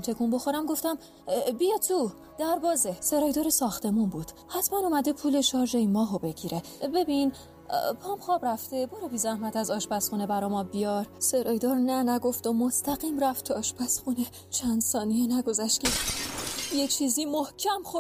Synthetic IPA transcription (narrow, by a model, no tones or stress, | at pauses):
mt̪ʰe̞kʰunbo̞xo̞ɾæmɡo̞ft̪æm | bijɒt̪ʰːuː | d̪̥æɾbɒːzese̞ɾɒːjd̪ɒːɾesɒːxt̪ʰe̞munbuːd̪̥hæt̪ʰmænumæd̪epʰuːle̞ʃɒːɾd͡ʒeimːɒːɦobe̞ɟiːɾe̞ | be̞bin | pʰɒːmxɒːbɾæft̪e̞boɾebiːzæhmæt̪ʰæzɒːʃbæsχuːnebæɾɒjmɒbijɒɾse̞ɾɒːjd̪ɒːɾnænæɡo̞ft̪omost̪ʰæɣiːmɾæft̪ʰoɒːʃpʰæsxune | t͡ʃʰænd̪̥sɒːnijenæɡo̞zæʃt̪cʰe̞ | jet͡ʃʰiːzimohcʰæmxo